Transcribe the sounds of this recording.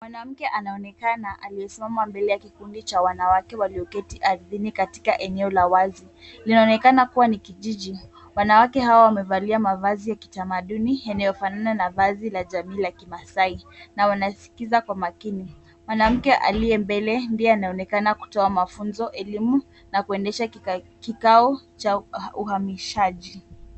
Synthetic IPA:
mwanam̩kɛʔanaɔnɛkanaʔaliɛsimamambɛlɛjakikundit͡ʃawanawakɛwaliɔkɛtiʔaɾðinikati̥kaʔɛnɛɔlawazi | linaɔnɛkanakuwanikiʄiʄi | wanawakɛɦawawamɛvaliamavazijaki̥tamaɗunijanajɔfanananavazilaʄamiːlakimasainawanasi̥kizakwamakini | mwanam̩kɛʔa̰liɛmbɛlɛmbiɛanaɔnɛkanaku̥tɔamafunzɔʔɛlimu | nakuɛndɛʃakikaɔt͡ʃauhamiʃaʄi

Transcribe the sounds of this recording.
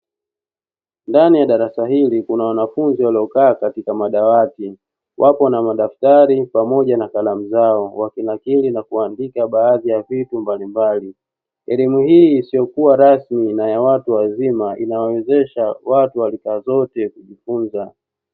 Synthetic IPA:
ndanijaɗaɾasaɦilikunawanafunziwaliɔkaːkatikamaɗawati | wʔapɔnamaɗaftaɾipamɔʄanakalamuzaɔwakinakilinakuandikaɓaːðijavitumbalimbali | ɛ̰limuhiːsijɔkuwaɾasminajawatuwazimaʔḭnawawɛzɛʃawatuwalikaːzɔtɛkuʄifunza

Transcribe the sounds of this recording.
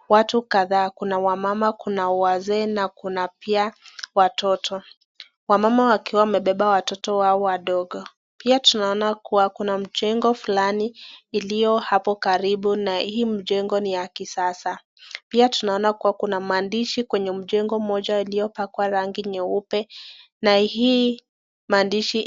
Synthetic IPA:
watukaðaːkunawamamakunawazɛːnakunapiawatʰɔtʰɔ | wamamawakiwamɛɓɛɓawatɔtɔwaɔwaɗɔɠɔ | piatunaɔnakuwakunam̩ʄɛŋɡɔfulaniːlijɔhapɔkaɾiɓunahiːm̩ʄɛŋɡɔnijakisasa | piatunaɔnakuwakunam̩andiʃikwɛɲɛm̩ʄɛŋɡɔm̩ɔʄailijɔpakwaɾaŋɡiɲɛupɛ | naiː | maːndiʃi

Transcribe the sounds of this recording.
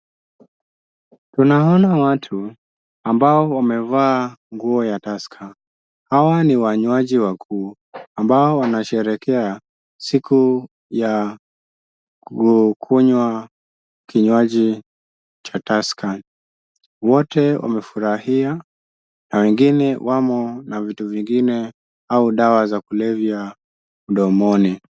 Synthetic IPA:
tunaɔnawatʰu | ambaɔwamɛvaːŋɡuɔjataskʰa | hawaniwaɲwaʄiwakʰuː | ambaɔwanaʃɛɾɛkɛa | siku | ja | ukʰuɲwa | kʰiɲwaʄi | t͡ʃataskʰa | wɔtɛwʔa̰mɛfuɾahia | nawɛŋɡinɛwʔamɔnavituviŋɡinɛ | auɗawazakulɛvja | muɗɔmɔni

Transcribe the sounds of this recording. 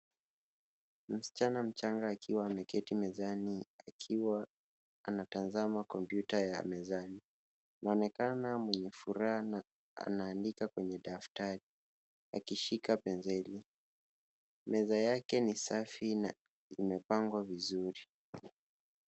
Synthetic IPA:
m̩si̥t͡ʃanam̩t͡ʃaŋɡaːkʰiwaːmɛkɛtimɛzaniakʰiwaː | natanzamakɔmpjutaja̰mɛzani | naɔnɛkanamwɛɲɛfuɾahan | a̰naːndikakwɛɲɛɗaftaɾi | a̰kiʃikapɛnzɛli | mɛzajakɛnisafina | imɛpaŋɡwavizuɾi

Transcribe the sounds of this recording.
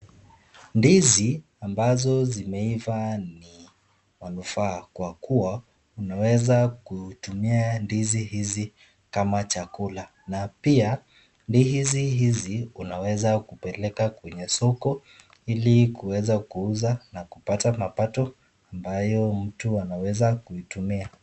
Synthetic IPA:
ndizi | ambazɔzimɛivani | manufaːkwakuwa | unawɛzakutumiandizihizi | kamat͡ʃakula | napia | ndihiziɦiziunawɛzakupɛlɛkakwɛɲɛsɔkɔ | ilikuwɛzakuuzanakupatamapatɔ | ambajɔm̩tuanawɛzakuitumia

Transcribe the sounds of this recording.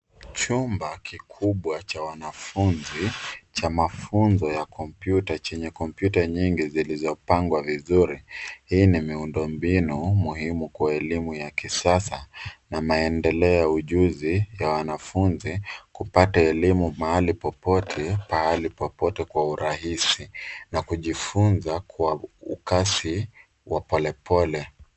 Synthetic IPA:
t͡ʃumbakikʰuɓwat͡ʃawanafunzit͡ʃamafunzɔjakʰɔmpjutat͡ʃɛɲɛkɔmpjutaɲiŋɡizilizɔpaŋɡwavizuɾihiːnimiundɔmbinumuhimukwaɛlimujakisasanamaɛndɛlɛɔjauʄuzijawanafunzikupataɛlimumahalipɔpɔtʰɛpahalipɔpɔtɛkwauɾahisinakuʄifunzakwaukasi | wapɔlɛpʰɔlɛ

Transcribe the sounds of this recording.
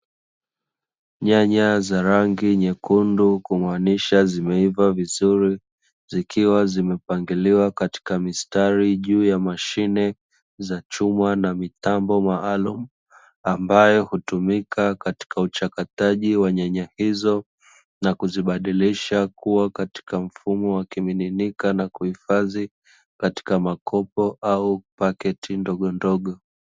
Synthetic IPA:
ɲaɲazaɾaŋɡiɲɛkundukumaniʃazimɛivavizuɾi | zikʰiwazimɛpaŋɡiliwakati̥kamistaɾiʄuːjamaʃinɛ | zat͡ʃumanamitambɔmaalumu | ambajɔhutumikakati̥kaut͡ʃakataʄiwaɲaɲahizɔ | nakuziɓaɗiliʃakuwakati̥kam̩fumɔwakimininikanakuhifazi | kati̥kamakʰɔpɔʔaupakɛtʰindɔɠɔndɔɠɔ

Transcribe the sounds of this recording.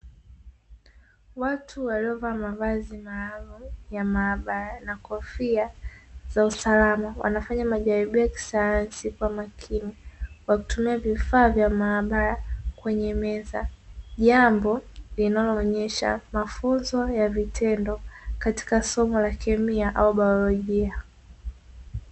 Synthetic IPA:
watʰuwaliɔvaːmavazimaːlumjamaːɓaɾanakɔfiaz̥ausalamawa̰nafaɲamaʄaɾiɓijaki̥sajansikwamakʰinikwaku̥tumiavifaːvjamaːɓaɾakwɛɲɛmɛzaʄambɔlinalɔːɲɛʃa̰mafunzɔjavitʰɛndɔkati̥kasɔmɔlakʰɛmiaʔauɓaɔlɔʄia

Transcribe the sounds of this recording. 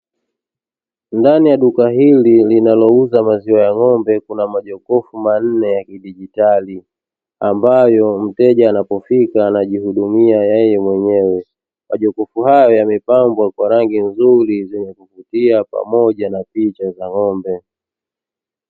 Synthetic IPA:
ndanijaɗukaɦililinalɔuzamaziwajaŋɔmbɛkunamaʄɔkɔfuman̩nɛjakiɗiʄitali | ambajɔm̩tɛʄaːnapɔfikaːnaʄihuɗumiajɛjɛmwɛɲɛwɛ | mʔaʄɔkɔfuɦajɔjamɛpambwakwaɾaŋɡinzuɾizɛɲɛkuvutiapa̰mɔʄanapit͡ʃazaŋɔmbɛ

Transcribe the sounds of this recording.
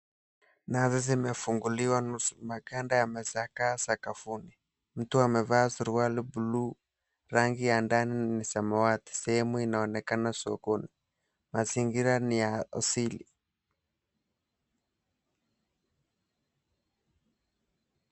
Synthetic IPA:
nazizimɛfuŋɡuliwanumakandajamɛsakasakafuni | m̩tuamɛvaːsuɾualibulu | ɾaŋɡijandaninisamawati̥sɛhɛmuinaɔnɛkanasɔ̰kɔni | maziŋɡiɾanijaa̰silḭ

